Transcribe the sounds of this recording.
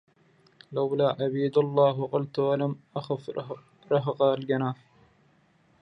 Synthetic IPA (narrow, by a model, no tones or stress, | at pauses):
lawlaːʕabiːd̪ɑlˤːɑːɦwɑqʊlt̪walamʔaxaf | ɾˤɑɦɑqɑlɡanaːf